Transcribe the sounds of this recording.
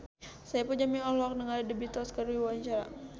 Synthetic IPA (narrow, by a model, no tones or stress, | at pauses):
sajapund͡ʒaminɔlɔk̚nəŋalidəbit̪ɔskəɾwiwaɲt͡ʃaɾa̰